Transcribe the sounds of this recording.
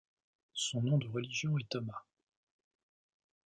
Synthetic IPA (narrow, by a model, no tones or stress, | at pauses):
sɔ̃nɔ̃d̪əʁəliʒjɔ̃ɛt̪ɔma